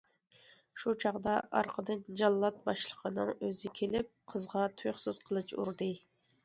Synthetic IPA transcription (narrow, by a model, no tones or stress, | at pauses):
ʃut͡ʃʰɑʁd̪ɑʔɑ̰ɾqʰəd̪ɨnd͡ʒɑlˠːɑt̪̚bɑʃlˠəqʰənɨŋøzɪkʲʰelɪp̚qʰəzʁɑt̪ʰujχsɪz̥qʰəlˠɨt͡ʃṵɾd̪ɨ